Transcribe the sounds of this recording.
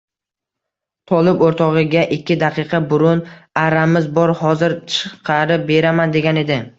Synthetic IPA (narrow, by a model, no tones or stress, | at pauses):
t̪ʰɒlˠɪpoɾt̪ʰɒʁɨɡʲaʔɪkʲːɪd̪aqʰɨqʰɑbʊɾʊnaɾamɪzbɒɾhɒzɪɾt͡ʃʰɨ̥qʰɑɾɪp̚be̞ɾamand̪e̞ɡʲane̞d̪ɪ